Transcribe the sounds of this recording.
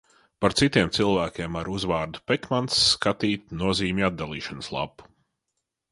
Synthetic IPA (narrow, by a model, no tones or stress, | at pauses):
paɾt̪sit̪iɛmt̪silˠvæːkʲɛmaɾuzvaːɾd̪upɛkmant̪sːkat̪iːt̪̚nuɔziːmʲad̪̚d̪alˠiːʃanslˠa̰pu̥